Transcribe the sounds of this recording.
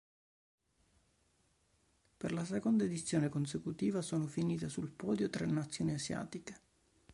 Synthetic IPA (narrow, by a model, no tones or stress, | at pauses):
perlasekond̪aed̪it̪sːjoːnekons̬ekut̪iːvasoːnofiniːt̪asulpɔːd̪jot̪ɾenːat̪sːjoːniazja̰ːt̪ike̥